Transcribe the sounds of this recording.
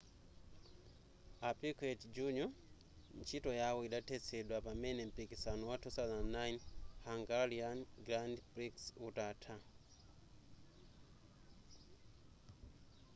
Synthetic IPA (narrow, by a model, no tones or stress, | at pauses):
apikɛtd͡ʒuɲɔ | n̩t͡ʃʰitɔjawɔiɗatʰɛt͡sʰɛɗwapamɛnɛm̩pikisanɔwatʰusazanːajnhaŋɡalianɡɾandbɾiksutatʰa